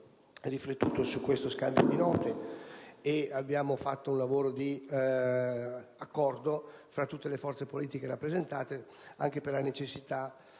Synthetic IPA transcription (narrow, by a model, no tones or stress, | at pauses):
riflet̪ːuːt̪osukːwest̪oskald̪jod̪inɔːt̪e | eabːjaːmofat̪ːounlavoːɾod̪i | akːɔrd̪ofɾat̪ːut̪ːelefɔrt̪sepoliːt̪ikeɾapːɾezent̪aːt̪e | a̰ŋk̟eperlanet͡ʃesːit̪a